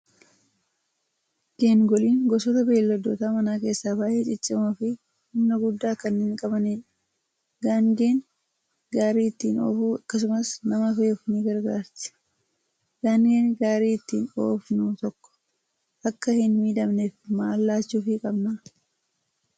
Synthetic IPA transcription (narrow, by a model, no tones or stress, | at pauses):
ɡ̥e̞ːŋɡɔliːŋɡɔsɔt̪ɐbe̞ːlːɔd̪ːoːt̪aːmɐnaːke̞ːsːaːbaːʔeːt͡ʃʼɪt͡ʃʼːɪmɐfɪ | hʊmnɐɡʊd̪ːaːkɐnːiːŋkʼɐbɐneːᶑɐ | ɡaŋɡe̞ːn | ɡaːɾiːɪt̪ːiːno̰ːfuːɐkːɐsʊmɐsnɐmɐfeɔfniɡɐɾɡaːɾtɪ̥ | ɡ̥aːŋɡe̞ːnɡaːɾiːɪt̪ːiːno̰ːfnuːt̪ɔkːɔ̥ | ʔɐkːɐhɪnmiːd̪ɐmnefmaːlːaːt͡ʃːuːfɪkʼɐbnɐ